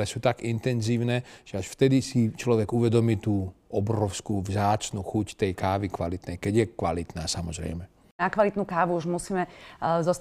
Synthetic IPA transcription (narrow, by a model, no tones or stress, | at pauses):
lɛsuːt̪aɡint̪ɛnziːʊnɛʒ̥ɛaʃft̪ɛd̪isit͡ʃlɔʋɛɡuʋɛd̪ɔmiːt̪uːɔbɾɔʊskuːvzaːt͡ʃnuxuct̪ɛjkaːʋikʋalit̪nɛjkɛɟjɛkʋalit̪naːsamɔzɾɛ̰jmɛ | nakʋalit̪nuːkaːʋuuʒmusiːmɛzɔst̪